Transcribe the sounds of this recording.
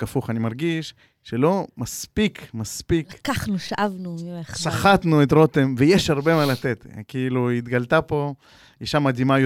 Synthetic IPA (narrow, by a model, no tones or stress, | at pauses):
afuχanimaʁɡiʃ | ʃelo̞maspikmaspikkaχnuʃaʔavnumieχʃaχat̪nuet̪ʁot̪emvejeʃhaʁbe̞malat̪et̪kiiluit̪ɡalt̪apo̞ | iʃamad̪imaj